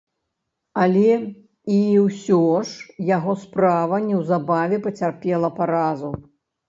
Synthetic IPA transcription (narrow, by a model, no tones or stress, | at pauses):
ɐlʲɛ | iwsʲɔʂjaɣɔspɾavɐnʲɛwzabavʲɛpɐt͡sʲarpʲɛlˠɐpaɾazu